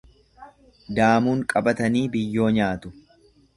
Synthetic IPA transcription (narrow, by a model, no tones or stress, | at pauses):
d̪aːmuːŋkʼɐbɐt̪ɐniːbɪjːo̞ːɲaːt̪ʊ